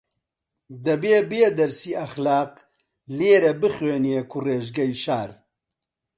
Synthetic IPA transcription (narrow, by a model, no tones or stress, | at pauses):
d̪ɐbeːbeːd̪ɐɾsiːɐxlaːq | leːɾɐbɨχweːniekʰureːʒɡɐjʃaːɾ